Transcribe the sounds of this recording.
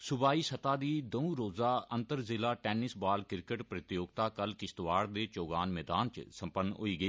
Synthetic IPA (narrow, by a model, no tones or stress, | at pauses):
sʊbaːiːsət̪aːd̪iːd̪əũːɾoːzaːənt̪əɾzɪlaːʈɛːnɪsbaːlkɪɾkəʈpɾət̪joːɡt̪aːkəlkɪst̪ʋaːɽd̪eːt͡ʃoːɡaːnmɛːd̪aːnt͡ʃsəmpənːɦo̰iːɡəiː